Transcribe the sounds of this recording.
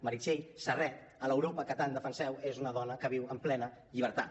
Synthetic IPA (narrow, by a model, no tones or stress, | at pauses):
məɾit͡ʃeʎsərɛ | ələwɾopəkət̪and̪əfənsɛwezunəðɔnəkəβiwəmplɛnəʎiβ̞əɾt̪at̪